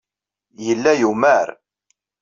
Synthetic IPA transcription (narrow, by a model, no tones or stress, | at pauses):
jəlːæjumæɾ